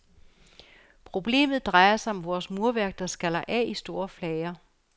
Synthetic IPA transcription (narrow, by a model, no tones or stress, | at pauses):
pʰʁo̝b̥le̝̰ːmð̩ˠd̥ʁɑ̈ɪɐsɑ̈ɪɒ̽mʋɒːsmuɐʋæɐɡ̥̚d̥ɑsɡ̥ælɐʔæisd̥o̝ːɐflɛɪɐ